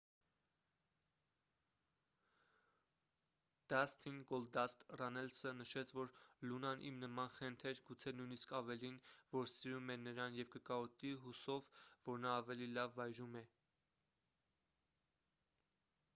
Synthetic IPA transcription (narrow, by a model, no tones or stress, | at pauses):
d̪̥ɑst̪ʰinɡɔld̪ɑst̪rɑnɛlsənəʃɛt͡sʰvɔɾlunɑnʔḭmnəmɑnχɛnt̪ʰɛɾɡut͡sʰɛnujniskʰɑvɛlinvɔɾsiɾumɛnəɾɑnjɛvkəkɑɔt̪iɦusɔvvɔɾnɑːvɛlilɑvːɑjɾumɛ